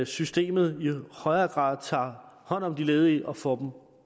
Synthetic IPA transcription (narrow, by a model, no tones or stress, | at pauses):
sysd̥e̝̰ːmð̞̩ˠihɒ̽ɪɐːɡ̥ʁɑ̰̈ːð̩ˠt͡sʰɑ̰̈ːhɒ̽n̰ɒ̽md̥ile̝ːð̞ˠiʔɒ̽fɒd̥m̩